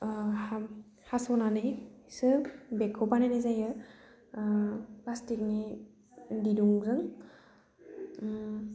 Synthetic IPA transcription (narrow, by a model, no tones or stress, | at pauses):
a | hasɔnanɯjsɯbekʰːɔpananazajɯ | plastik̚ni | diduŋzɯŋ